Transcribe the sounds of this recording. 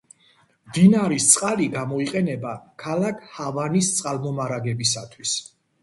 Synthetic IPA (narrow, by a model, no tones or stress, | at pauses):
md̪inaɾist̪sʼqʼaliɡamɔiqʼɛnɛbakʰalakʰhavanist̪sʼqʼalˠmɔmaɾaɡɛbisa̰t̪ʰwis